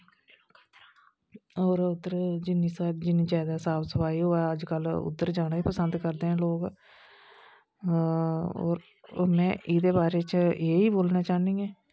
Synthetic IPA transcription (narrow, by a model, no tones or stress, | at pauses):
oːɾʊd̪əɾd͡ʒɪnĩːsad͡ʒɪnĩːd͡ʒɛːd̪aːsaːbsəpaːiːɦoːɛːəd͡ʒkəlʊ̰t̪ːəɾd͡ʒaːɽaːiːpəsənd̪kəɾd̪eːɦãːloːɡ | o̰ːɾ | mɛ̃ːʔɪd̪eːbaːɾeːt͡ʃeːiːboːlnaːt͡ʃaːnĩːeː